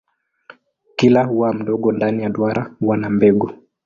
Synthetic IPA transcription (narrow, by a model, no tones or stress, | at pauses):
kilahuwam̩ɗɔɠɔndanijaɗwaɾʔawanambɛɡɔ